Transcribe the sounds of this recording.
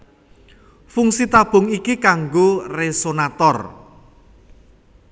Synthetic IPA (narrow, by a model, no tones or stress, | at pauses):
fuŋsit̪ab̥ʊ̤ŋikikaŋɡoresonat̪ɔr